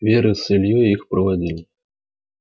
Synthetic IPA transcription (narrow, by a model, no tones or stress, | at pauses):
vʲɛɾɨsɨlʲjuixpɾɐvad͡zʲilʲi